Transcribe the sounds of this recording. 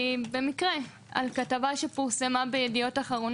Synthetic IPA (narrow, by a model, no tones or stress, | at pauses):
be̞mikʁe | a̰lkatavaʃepiʁsemabejedijo̞taχaʁo̞n